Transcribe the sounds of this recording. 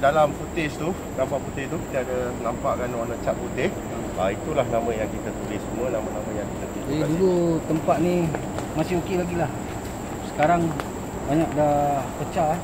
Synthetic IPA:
dalamput̪ɪst̪u | nampaʔput̪ɪst̪uki̥t̪aadənampaʔkanwanət͡ʃaʔ̚put̪ɪs | ait̪ulahnamãjaŋkit̪at̪ulɪsːumənamanamãjaŋkit̪at̪uisd͡ʒadidulut̪əmpat̪̚ni | masɪɦokelaɡilah | sə̥kaɾaŋ | baɲak̚dapət͡ʃaʔ

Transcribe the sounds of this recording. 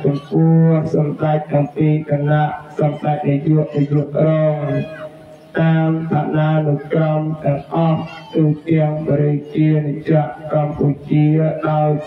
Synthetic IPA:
kumpʊəhsɑmɗac̚ʔɑmpiːk̪ʰanaʔsɑmɗac̚nijuəʔnijuəʔrɔːŋ | t̪aːmt̪ʰaɗaːnəwkrɑmt̪ɛ̆əŋʔɑht̪uːt̪ɛ̆əŋɓɾit͡ɕiənit͡ɕaʔkɑmput͡ɕiəɗaɔj

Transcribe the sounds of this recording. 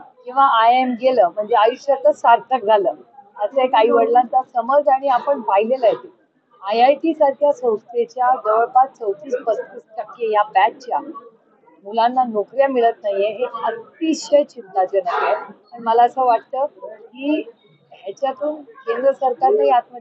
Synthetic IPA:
kĩw̃ʋaːjemɡeləːm̤əɳd͡zeajuɕjət̪əsaɾt̪ʰək̚d͡zʱaləːət͡səɦekaɦiːʋəɽlat̪asəməd͡zaɽ̃iapəɳpaɦileləɦet̪e | ajajʈiːsaɾkʰjasə̃w̃st̪ɾet͡ɕjaɡəʋəɭpat̪̚t͡səwt̪iːspəst̪issakʰiejapæt̚t͡ɕja | mulãnːanokɾjamiɭət̪naɦjeɦeət̪ːiɕəjt͡ɕint̪ːat͡ɕənaet̪əɳməlaəsəːʋaʈ̚t̪əːkiː | ɦjat͡ɕjat̪uːnkend̪ɾəsəɾkaɾnəjat̪̚mə

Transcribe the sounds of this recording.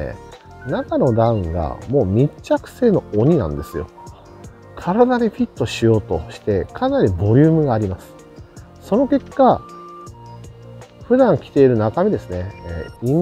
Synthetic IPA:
nakano̞d̪ãɯ̃ŋɡa̰mo̞ːmʲit͡ɕːakɯ̟̥se̞ːno̞oɲ̟inã̰nd̪e̞sɨjo̞̰ | kʰaɾad̪ad̪eɸʲit̪ːo̞ɕijo̞ːt̪o̞̰ɕi̥t̪e̞kʰanaɾʲibo̞ɾʲɨːmɯ̟ɡaːɾʲimasɨ̥ | so̞no̞ke̞kːa | ɸɯ̟d̪ãŋkʲi̥t̪e̞iɾɯ̟nakamʲed̪e̞sɨne̞̰ːi

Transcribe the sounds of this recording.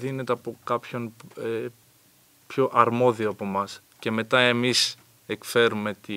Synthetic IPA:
ðine̞t̪eɐpo̞kɐpço̞ne | pço̞ʔɐɾmo̞ðioɐpo̞mɐs | ce̞me̞t̪ɐe̞mis | ekfe̞ɾume̞t̪i

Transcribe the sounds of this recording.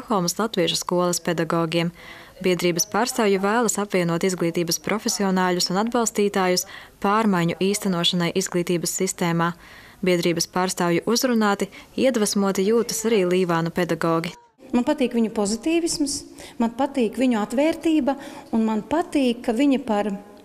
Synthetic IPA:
t̪xɔlˠmslˠat̪viɛʒuskuɔlˠɐspɛd̪aɡɔːɡʲiɛm | bʲiɛd̪ɾiːbɐspaːɾst̪aːwjuvæːlˠɐsapviɛnuɔt̪izɡlˠiːt̪iːbɐspɾʔɔfʲesiɔnaːʎusunad̪̚balˠst̪iːt̪aːjuspaːɾmajɲuʔiːst̪anuɔʃanajʔizɡlˠiːt̪iːbɐsːist̪eːmaː | bʲiɛd̪ɾiːbɐspaːɾst̪aːwjuʔuzɾunaːt̪iiɛd̪vasmuɔt̪ijuːt̪ɐ̥saɾiːlˠiːvaːnuped̪aɡɔːɡʲi | manpat̪iːkʋiɲupɔzit̪iːʋismsmanpat̪iːkʋʲiɲuat̪ʋɛːɾt̪iːbɐunmanpat̪iːkːaviɲipaɾ

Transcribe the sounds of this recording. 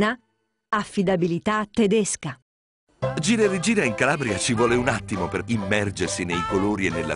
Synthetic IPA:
na | afːid̪abilit̪at̪ːed̪eska | d͡ʒiːɾed̪id͡ʒiːɾaiŋkalaːbɾiat͡ʃivwɔːleunat̪ːimoperimːɛrd͡ʒersinejkoloːɾienːelːa̰

